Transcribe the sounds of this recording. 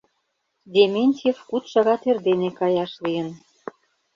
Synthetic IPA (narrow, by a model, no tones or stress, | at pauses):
d̪ʲemʲenʲt̪ʲiefkut̪ʃɑɣɑt̪erd̪enekɑjɑʃlijə̆n